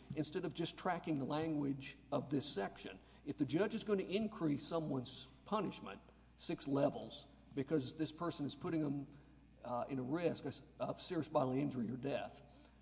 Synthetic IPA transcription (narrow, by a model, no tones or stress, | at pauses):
ɨ̃nstɛɾʌvd͡ʒʌstʰɹ̥ækɪ̃ŋðəlæ̃ŋɡwɪd͡ʒʌvðɪsɛkʃɨ̰̃n | ɨfðɨd͡ʒʌd͡ʒɨzɡõʊɪ̃ntɨɪ̃nkʰɹ̥isʌ̃mwʌ̃nz̥pʰʌnɨʃmɨ̰̃nt | sɪkslɛvl̩ˠz̥ | b̥ɨkʰʌzðɪspʰɜ˞sɨ̃nɨz̥pʰʊɾɪ̃ŋə̃m | ɪ̃ñəɹɪskʌv̥sɪɹiɨsb̥ɑɾl̩ˠiɪ̃nd͡ʒə˞iə˞dɛθ